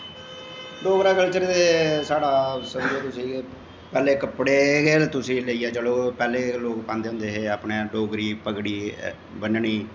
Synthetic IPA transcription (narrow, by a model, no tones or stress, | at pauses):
ɖoːɡɾaːɡəlt͡ʃəɾt̪eːsaːɽaːsəmd͡ʒoːt̪ʊsĩː | pɛːleːkəpɽeːɡeːlt̪ʊsĩːləiːɛːd͡ʒəɽoːpɛːleːloːkpãːnd̪eːɦʊ̃nd̪eːɦeːaːpɳeːɖoːɡɾiːpəkɽiː | bənɳiː